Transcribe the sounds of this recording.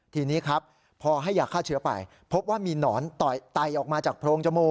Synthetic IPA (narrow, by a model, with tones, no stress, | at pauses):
t̪ʰiː˧niː˦˥kʰɾa˦˥p̚ʰː | ɔː˧ɦa˥˩jːaː˨˩kʰːaː˥˩t͡ɕʰɯ˦ɐpa̰˧j | pʰo˦˥p̚waː˥˩miː˧nɔː˩˦nt̪ɔ˨˩jt̪a˨˩jʔɔː˨˩k̚maː˧t͡ɕaː˨˩k̚pʰɾoː˧ŋt͡ɕʰa˧moː˧